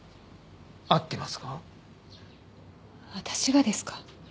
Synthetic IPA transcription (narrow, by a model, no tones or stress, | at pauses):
at̪ːe̞masɨ̥ka | βat̪ʰḁɕiɡad̪e̞sɨ̥kḁ